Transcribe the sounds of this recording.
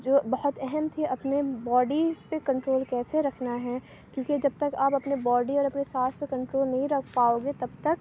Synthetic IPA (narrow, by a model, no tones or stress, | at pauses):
d͡ʒoːbɐɦʊt̪ɛɦɛmt̪ʰiʔɐpnebɔːɖipekɐ̃ɳʈɾoːlkɛːseɾɐkʰnaɦɛː | kjũːked͡ʒɐb̚t̪ɐkaːpɐpnebɔːɖiɔːɾɐpnesaːspekɐ̃ɳʈɾoːlnɐɦĩɾɐkʰpaːoːɡet̪ɐb̚t̪ɐk̚